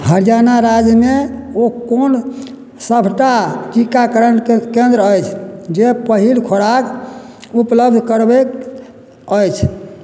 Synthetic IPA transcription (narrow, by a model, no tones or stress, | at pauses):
həɾjanaɾad͡ʒmeokon | səbʱʈaʈikakəɾəɳɖkẽnd̪ɾəəjt͡ʃʰd͡ʒepəɦilkʰoɽak | upləbd̪ʱkəɾbek | əjt͡ʃʰ